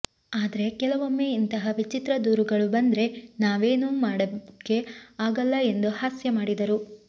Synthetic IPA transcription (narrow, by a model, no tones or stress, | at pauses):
aːd̪ɐɾe̞kɛlɐʋomːeint̪ɐɦɐʋit͡ʃit̪ɾɐd̪uːɾuɡɐɭubɐnd̪ɾe̞naːʋe̞ːnumaːɽɐke̞aːɡɐlːɐe̞nd̪uhaːsjɐmaːɽid̪ɐɾu